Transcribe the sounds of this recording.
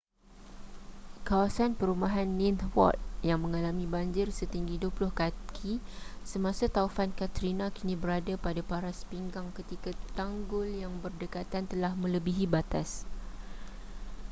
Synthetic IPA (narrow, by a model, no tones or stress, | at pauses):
kawasanpəɾumaɦanːĩnt̪wɔ̰t̪̚jaŋmə̃ŋalamĩbaɲd͡ʒɪrsət̪iŋɡiduəplʊhkakʰisəmãsat̪aufankat̪ɾinãkinĩbəɾadapadapaɾaspiŋɡaŋkət̪ikat̪aŋɡʊljaŋbərdəkat̪ant̪əlahmə̃ləbiɦibat̪as